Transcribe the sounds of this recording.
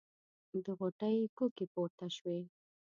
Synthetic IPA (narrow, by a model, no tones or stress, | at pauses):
d̪əɣoʈəjkokepoɾt̪aʃwe